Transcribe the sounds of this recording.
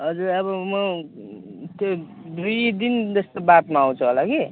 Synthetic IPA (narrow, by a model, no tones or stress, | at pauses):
ɦʌd͡zuɾʌβʌmʌ | t̪jo | d̪ujd̪ind͡zʌst̪obat̪maaw̃t͡sʰuɦolaɡe